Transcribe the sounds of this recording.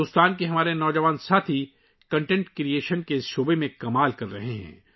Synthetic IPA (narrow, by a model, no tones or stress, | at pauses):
oːst̪aːnkeɦɐmaːɾenɔːd͡ʒɐʋaːnsaːt̪ʰi | kɐ̃ɳʈɛ̃ɳʈkɾieːʃənkeɪsʃoːbemẽkɐmaːlkɐɾːɐɦeɦɛ̰̃ː